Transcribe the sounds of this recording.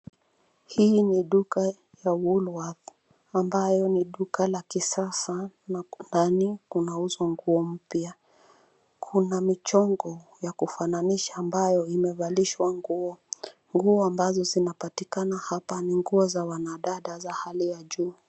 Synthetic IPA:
hiːniɗuka | jawulwað | ambajɔniɗukalakisasanandanikunauzwaŋɡuɔm̩pja | kʰunamit͡ʃɔŋɡɔjakufananiʃaːmbajɔimɛvaliʃwaŋɡuɔ | ŋɡuɔambazɔzinapatikanahapaniŋɡuɔzawanaɗaɗazahalijaʄuː

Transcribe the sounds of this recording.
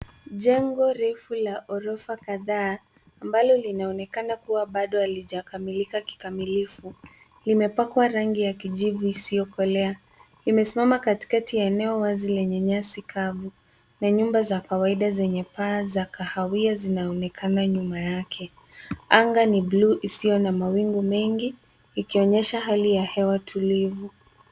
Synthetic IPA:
ʄɛŋɡɔɾɛfulaʔɔɾɔfakaðaː | mbalɔlinaɔnɛkanakuwaɓaɗɔhaliʄakamilikaki̥kamilifu | limɛpakwaɾaŋɡijakiʄivuisiɔkɔlɛa | limɛsimamakati̥katiɛnɛɔwazilɛɲɛɲasikʰavu | naɲumbazakawaiɗazɛɲɛpaːzakahawiazinaɔnɛkʰanaɲumajakʰɛ | aŋɡanibluʔisijɔnamawiŋɡumɛŋɡiː | kiɔɲɛʃaɦalijahɛwatʰulivu

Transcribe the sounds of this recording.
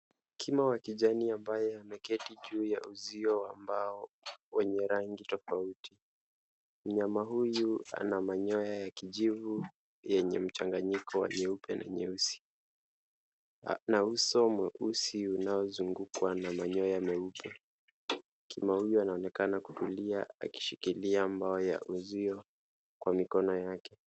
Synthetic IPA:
kʰimawakiʄaniambajɛamɛkɛtiʄuːjauziɔwambaɔ | wɛɲɛɾaŋɡitɔfauti | m̩ɲamaɦujua̰namaɲɔjajakiʄivu | jɛɲɛm̩t͡ʃaŋɡaɲikɔwa̰ɲɛupɛnʔa̰ɲɛusi̥ | nausɔmwɛʔusiunaɔzuŋɡukwanamaɲɔjamɛupʰɛ | kʰimahujuanaɔnɛkanaku̥tuliaa̰ki̥ʃikiliambaɔja̰ʔuziɔ | kwamikɔnɔjakɛ

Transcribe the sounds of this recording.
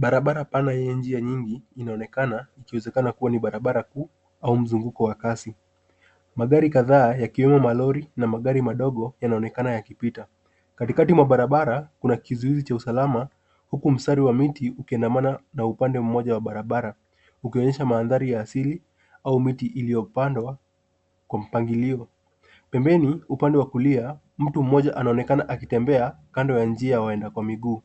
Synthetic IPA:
ɓaɾaɓaɾapanajɛjɛnd͡ʒiaɲiŋɡiːnaɔnɛkanaikiwɛzɛkanakuwaniɓaɾaɓaɾakuː | aum̩zuŋɡukɔwakasi | maɠaɾikaðaːjakiwɛmɔmalɔɾinamaɠaɾimaɗɔɠɔjanaɔnɛkanajakipita | katikatimwaɓaɾaɓaɾakunakizuizit͡ʃausalama | hukum̩staɾiwamitiukiandamananaupandɛm̩mɔʄawaɓaɾaɓaɾa | ukiɔɲɛʃamaːnðaɾijaːsili | aumitiʔiliɔpandwa | kwam̩paŋɡiliɔ | pɛmbɛniupandɛwakulia | m̩tum̩mɔʄaʔanaɔnɛkanaʔakitɛmbɛakandɔjand͡ʒiawaɛndakwamiɠuː

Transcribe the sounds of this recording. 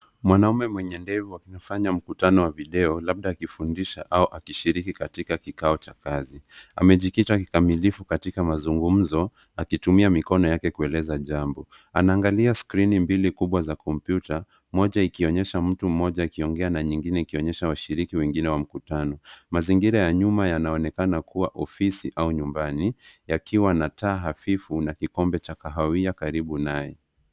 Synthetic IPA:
mwanaumɛmwɛɲɛndɛvuakinafaɲam̩kutanɔwaviɗɛɔlab̚ɗaːkifundiʃaʔauʔakiʃiɾikikatikakikaɔt͡ʃakazia̰mɛʄikitaki̥kamilifukatikamazuŋɡum̩zɔ | akitumiamikɔnɔjakɛkuɛlɛzaʄambɔ | anaːŋɡaliaskɾinimbilikuɓwazakʰɔmpjuta | mɔʄaikiɔɲɛʃam̩tum̩mɔʄaikiɔŋɡɛanaɲiŋɡinɛikiɔɲɛʃawaʃiɾikiwɛŋɡinɛwam̩kutanɔmaziŋɡiɾajaɲumajanaɔnɛkanakuwaʔɔfisiʔauɲumbanijakʰiwanataːɦafifunakikɔmbɛt͡ʃakaɦawiakaɾiɓunajɛ

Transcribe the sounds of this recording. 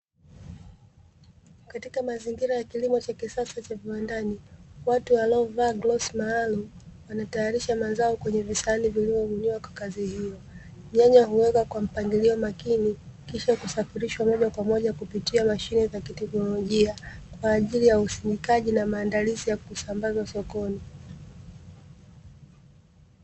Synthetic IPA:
katikamaziŋɡiɾajakilimɔt͡ʃakisasat͡ʃaviwandaniwatuwalaɔvaɡlɔsmaːlumwanatajaɾiʃamazaɔkwɛɲɛvisanivilivɔvuɲiwakwakazihijɔ | m̩ɲaɲahuwɛkakwam̩paŋɡiliɔmakinikiʃakusafiɾiʃwamɔʄakwamɔʄakupitiamaʃinizakitɛknɔlɔʄiakwaːʄilijausinikaʄinamaːndalizijakusambazwasɔkɔni

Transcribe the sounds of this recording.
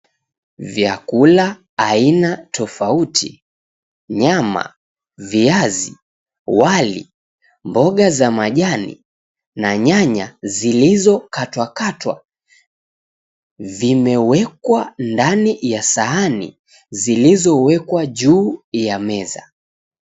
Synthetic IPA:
vjakulaː | inatʰɔfautʰi | ɲama̰ | viazi | walḭ | mbɔɠazamaʄanḭ | naɲaɲazilizɔkatwakatwa̰ | vimɛwɛkwandanijasaanḭ | zilizɔwɛkwaʄuːjamɛza̰

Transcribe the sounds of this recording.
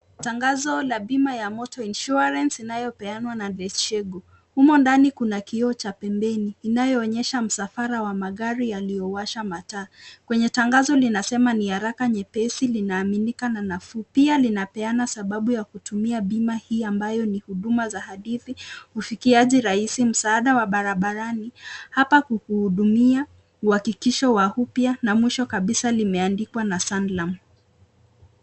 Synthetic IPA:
taŋɡazɔlaɓimajamɔtɔinʃuaɾɛnsinajɔpɛanwanalɛst͡ʃɛɡɔ | humɔndanikunakiɔt͡ʃapɛmbɛniːnajɔːɲɛʃam̩safaɾawamaɠaɾijalijɔwaʃamataːkwɛɲɛtaŋɡazɔlinasɛmanihaɾakaɲɛpɛsilinaːminikananafupialinapɛanasaɓaɓujakutumiaɓimahiːambajɔnihuɗumazahaɗiθihufikiaʄiɾaisim̩saːɗawaɓaɾaɓaɾanihapakuhuhuɗumia | uhakikiʃɔwahupjanamwiʃɔkaɓisalimɛandikwanasanlam

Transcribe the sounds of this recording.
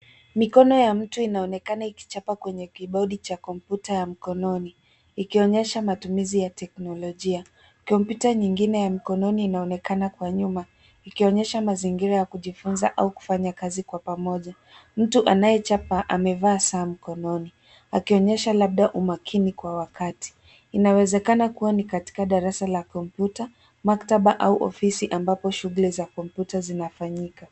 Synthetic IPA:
mikɔnɔjam̩tuinaɔnɛkanaiki̥t͡ʃapakwɛɲɛkiɓɔɗit͡ʃakɔmpjutajam̩kɔnɔni | ikiɔɲɛʃamatumizijatɛknɔlɔʄia | kɔmpjutaɲiŋɡinɛjam̩kɔnɔniːnaɔnɛkanakwaɲuma | ikiɔɲɛʃamaziŋɡiɾajakuʄifunzaʔauku̥faɲakazikwapamɔʄa | m̩tuʔanajɛt͡ʃapaʔamɛvaːsaːm̩kɔnɔni | akiɔɲɛʃalaɓ̚ɗaʔumakʰinikwawakati̥ | inawɛzɛkanakuwanikati̥kaɗaɾasalakɔmpjuta | maktaɓaʔauʔɔ̰fisiʔambapɔʃuɣulɛzakɔmpjutazinafaɲika

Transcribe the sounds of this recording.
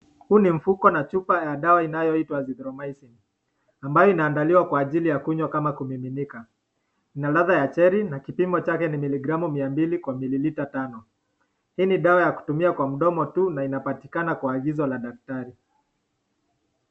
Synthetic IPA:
huːnim̩fukɔnat͡ʃupajaɗawainajɔitwaziðɾɔmaisin | ambajɔinaːndaliwakwaːʄilijakuɲwakamakumiminika | inalaðajat͡ʃɛɾinakipimɔt͡ʃakɛnimiliɡɾamumiambilikwamililitatanɔ | hiːniɗawajaku̥tumiakwam̩ɗɔmɔtunainapati̥kanakwaːɠizɔlaɗak̚taɾi

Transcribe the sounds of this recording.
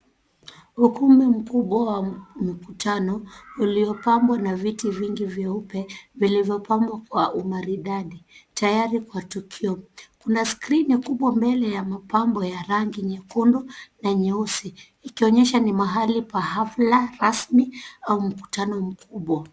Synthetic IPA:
ukumim̩kuɓwawam̩kutʰanɔuliɔpambwanavitiviŋɡivjɛupɛvilivjɔpambwakwaʔumaɾiɗaɗitajaɾikwatukʰiɔkunaskɾinikuɓwambɛlɛjamapambɔjaɾaŋɡiɲɛkundunaɲɛusiː | kiɔɲɛʃanimaɦalipaɦaflaɾasmiaum̩ku̥tanɔm̩kʰuɓwa

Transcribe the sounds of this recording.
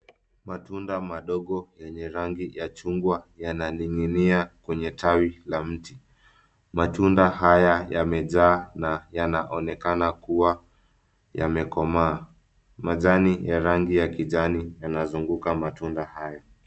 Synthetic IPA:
matundamaɗɔɠɔjɛɲɛɾaŋɡijat͡ʃuŋɡwajananiŋiniakwɛɲɛtʰawilam̩ti | matundahajajamɛʄaːnajanaʔɔnɛkanakuwa | jamɛkɔmaː | maʄanijaɾaŋɡijakiʄanijanazuŋɡukamatundahaja

